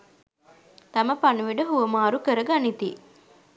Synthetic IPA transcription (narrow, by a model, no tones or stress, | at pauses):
t̪ɐməpanuʋiɖəɦuʋəmaːɾukəɾəɡanit̪ḭ